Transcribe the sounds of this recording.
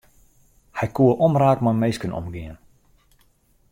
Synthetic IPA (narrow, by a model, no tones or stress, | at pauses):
hɛjkuəʔɔmraːkmamejskənɔ̰mɡɪən